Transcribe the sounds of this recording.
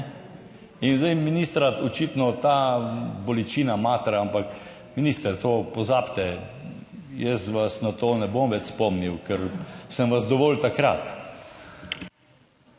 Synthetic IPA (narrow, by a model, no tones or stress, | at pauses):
inzd̪ɛjminist̪ɾaɔt͡ʃit̪nɔt̪abɔlit͡ʃiːnamat̪ɾaampak | miniːst̪ɛɾt̪oːpɔzaːpt̪ɛ | jɛsʋasnat̪oːnɛbomʋɛt͡ʃspɔmniwkɛɾsəmʋazd̪ɔʋɔlt̪akɾa̰t̪